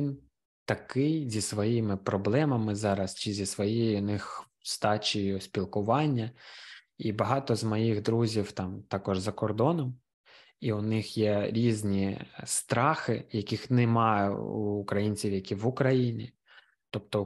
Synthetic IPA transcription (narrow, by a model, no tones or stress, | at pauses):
in | t̪ɐkɪjzʲisʋɔjimɪpɾɔblˠɛmɐmɪzɑɾɐst͡ʃɪzʲisʋɔjijnɪx | st̪ɑt͡ʃijʊspʲilˠkʊʋɑnʲːɐ | ibɐɦɑt̪ɔzmɔjiɣd̪ɾuzʲiwt̪ɑmt̪ɑkɔʒzɐkɔrd̪ɔnɔm | iʊnɪxjɛɾʲizʲnʲist̪ɾɑxɪjɐkʲixnɪmɑj̰ṵːkɾɐjinʲt͡sʲiwjɐkʲiʋʊkɾɐjinʲi | t̪ɔpt̪ɔ